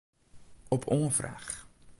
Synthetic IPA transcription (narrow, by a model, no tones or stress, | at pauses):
ɔpʰɔːfræ̰χ